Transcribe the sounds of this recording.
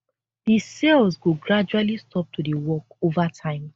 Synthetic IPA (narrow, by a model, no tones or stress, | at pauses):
d̥isɛlzɡoɡɹad͡ʒualistʰɔp̚tʰudewɔkovatʰãɪ̃m